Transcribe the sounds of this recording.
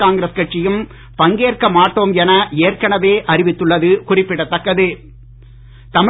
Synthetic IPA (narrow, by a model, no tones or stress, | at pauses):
aːŋɡɪɾɐskɐʈt͡ʃɪjɯm | pɐŋɡeːrkɐmaːʈːoːmɛnɐeːrkɐɳɐʋeːʔɐrɪʋɪt̪ːɯɭːɐðɯkʊrɪpːɪɽɐt̪ːɐkːɐðɯ | t̪ɐm